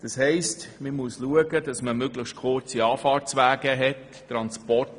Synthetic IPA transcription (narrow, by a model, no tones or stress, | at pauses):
d̥ɑshɛɪstməmuəsluəɡədɑsməmøɡləχʃt̚kʰʊɾt͡siɑːfɑːɾt͡sʋæːɡəɦɛtː | ɾɑnspɔrt